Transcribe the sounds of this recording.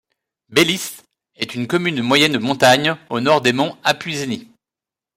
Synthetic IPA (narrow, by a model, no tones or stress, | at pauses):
belist̪ | ɛt̪ynkɔmynmwajɛnd̪əmɔ̃t̪aɲonɔʁd̪emɔ̃apɥizni